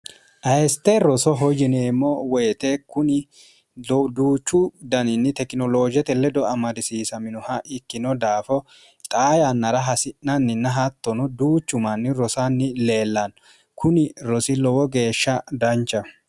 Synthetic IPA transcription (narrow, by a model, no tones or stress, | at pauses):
ʔɐjɛst̪ɛɾɔsɔɦɔd͡ʒɪneːmːɔwɛjt̪ekʊnɪ | d̪uːt͡ʃːʊd̪ɐnɪnːɪt̪ɛkɪnɔlo̞ːd͡ʒɪɛt̪ɛlɛd̪ɔɐmɐd̪ɪsiːsɐmɪnɔhɐʔɪkːɪnɔd̪aːfɔ | t̪ʼaːjanːɐɾɐɦɐsɪnːɐnːɪnːɐɦɐt̪ːɔnɔd̪uːt͡ʃːʊmɐnːɪɾɔsanːɪle̞ːlːɐn | kʊnɪɾɔsɪlɔwɔɡe̞ːʃːɐd̪ɐnt͡ʃːɐ